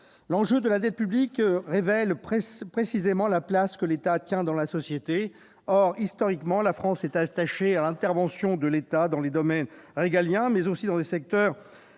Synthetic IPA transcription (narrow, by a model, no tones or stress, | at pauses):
lɑ̃ʒød̪əlad̪ɛt̪̚pyblikʁevɛlppχesizemɑ̃laplaskəlet̪at̪jɛ̃d̪ɑ̃lasɔsjet̪e | ɔʁist̪ɔʁikmɑ̃lafχɑ̃sɛt̪at̪aʃealɛ̃t̪ɛʁvɑ̃sjɔ̃d̪əlet̪ad̪ɑ̃led̪ɔmɛnʁeɡaljɛ̃mɛzosid̪ɑ̃desɛk̚t̪œːʁ